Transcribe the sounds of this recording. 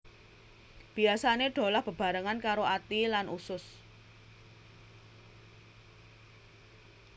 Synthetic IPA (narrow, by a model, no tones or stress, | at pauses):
b̥i̤asaneɖ̥o̤lahb̥ə̤b̥a̤ɾəŋankaɾoat̪ilanʔusʊs